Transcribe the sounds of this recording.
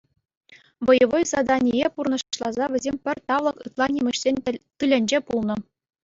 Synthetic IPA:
ʋɤ̆jɤ̆ʋɤ̆jsɑd̪ɑnʲijepurnɤ̆ʂɕlˠɑzɑʋʲɘ̆zʲemʲpʲɘ̆rʲt̪ɑʋlˠɤ̆kɯt̪lˠɑnʲimʲɘ̆ɕsʲenʲt̪ɯlʲĕnʲd͡ʑepulˠnɤ̆

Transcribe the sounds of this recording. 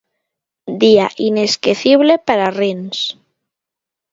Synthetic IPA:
d̪ia̰ʔineskeθiβ̞lepaɾarins

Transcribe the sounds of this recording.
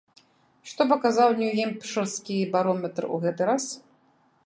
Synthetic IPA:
ʂt̪ɔp̬ɐkazawnʲujɛmpʂɨrskʲibaɾɔmʲɛt̪rɨṵɣɛt̪ɨɾas

